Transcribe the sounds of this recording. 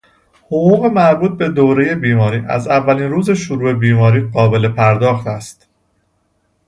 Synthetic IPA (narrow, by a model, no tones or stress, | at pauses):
hoɣuːɣe̞mæɾbuːt̪̚be̞d̪oːɾe̞je̞biːmɒːɾiːʔæ̰zævːæliːnruːze̞ʃoɾuːe̞biːmɒːɾiːɢɒːbe̞le̞pʰæɾd̪ɒːxt̪æst̪